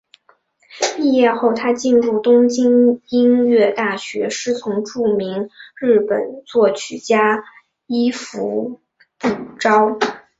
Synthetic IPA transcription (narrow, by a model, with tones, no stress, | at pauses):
i˥˧jɛ˥˧xo˥˩ʊt̪ʰa˥t͡ɕi˥˧nɻu˥˩t̪ʊ˥ŋt͡ɕi˥ŋi˥nɥɛ˥˧t̪a˥˩ɕɥɛ˧˥ʂɻ̩˥˩t͡sʰʊ˧˥ŋʈ͡ʂu˥˩mi˧˥ŋɻɻ̩˥˩pə̰˨˩nt͡swɔ˥˩t͡ɕʰy˨˩t͡ɕja˥ | i˥fu˧˥ | pu˨˩ʈ͡ʂɑ˥ʊ